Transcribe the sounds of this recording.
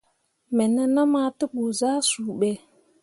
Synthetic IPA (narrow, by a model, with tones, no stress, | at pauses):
mɛ˨nə˦na˦ma˦tə˦ɓu˨zaː˦suː˨ɓɛ˨